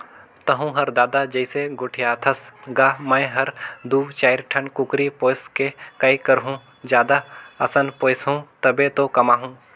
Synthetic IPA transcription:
t̪ɐɦũɦɐɾd̪aːd̪ad͡ʒɐɪseɡʊʈʰijaːt̪ʰɐsɡaːmə̃jɦɐɾd̪uːt͡ʃaːɪɾʈʰɐnkʊkɾipoːskekɐikɐɾɦũː | d͡ʒjaːd̪aɐsənpoːɪsɦũt̪ɐbet̪okɐmaːɦũː

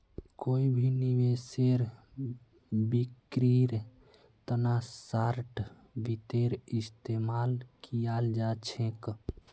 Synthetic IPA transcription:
koibʱiniʋeseɾ | bikɾiɾ | t̪ənasaɾʈ | bit̪eɾist̪emalkijald͡ʒat͡ʃʰẽk

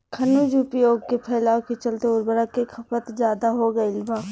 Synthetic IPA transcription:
kʰɐnud͡ʒʊpjoːɡ̚kepʰɛːlaːwket͡ʃɐlt̪eʊɾbəɾakekʰɐpət̪zjaːd̪aɦoɡɐilbaː

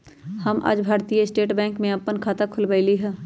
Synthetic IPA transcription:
həmʔa̰ːd͡ʒbʱaːɾt̪ijeɪsʈeːʈbɛ̃ːŋkmẽɐpːənkʰaːt̪akʰʊlbəɪliɦɛ̃ː

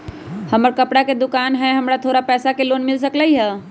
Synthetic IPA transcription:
həməɾkəpɽaked̪ʊkaːnɦɛɦəmɾat̪ʰoːɾapɛːsakeloːnmɪls̬əkləiɦɛ

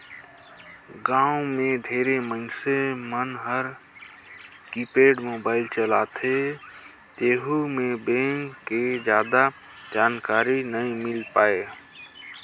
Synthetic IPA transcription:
ɡãːomẽɖʱeːɾeməɪnsemənɦəɾ | kipeːɖmoːbaːɪlt͡ʃəlaːt̪ʰe | t̪eːɦumẽbẽːŋked͡ʒjaːd̪a | d͡ʒaːnkaːɾinəĩmɪlpaːe

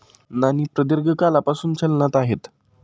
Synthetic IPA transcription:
naniːpɾəd̪iɾɡʱəkalapasuːnt͡ɕəlnat̪aɦet̪

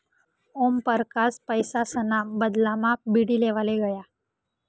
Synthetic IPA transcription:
ompəɾkaspəjsasənabəd̪lamak̚biɽileʋaleɡəja

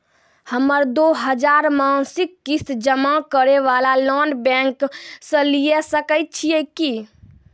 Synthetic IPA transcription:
həməɾd̪oɦəd͡ʒaɾmãnsikːist̪d͡ʒəmakəɾeʋalalɔnbɛ̃ŋksə̃lijesəkəjt̪̚t͡ʃʰijɛki

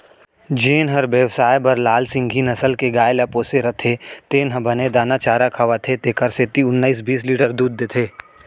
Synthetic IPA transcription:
d͡ʒeːnɦɐɾbjəʋsaːjbɐɾlaːlsɪ̃ŋɡʱinɐsəlkeɡaːjlapoːseɾɐt̪ʰet̪eːnɦəbɐned̪aːnat͡ʃaːɾakʰɐʋat̪ʰet̪eːkəɾseːt̪iʊnːaːiːs̬biːsliːʈəɾd̪uːd̪̚ːet̪ʰeː

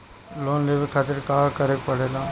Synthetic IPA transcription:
loːnleʋekʰaːt̪ɪɾkaːkəɾepəɽeːlãː

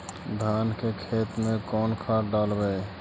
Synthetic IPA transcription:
d̪ʱankekʰet̪mekɔnkʰaɾɖalbɛ

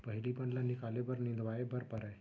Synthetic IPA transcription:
pəɦilipəɳlanikalebəɾnind̪ʋajebəɾpəɾae

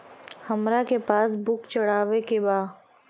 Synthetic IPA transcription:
hɐmɾakepaːsbʊkt͡ʃɐɽ̤aːʋekebaː

